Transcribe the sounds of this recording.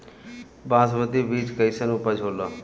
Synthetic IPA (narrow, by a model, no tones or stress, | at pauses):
bãːsbət̪iʋiːt͡ʃkəisənũːpəd͡ʒʱɦoːlaː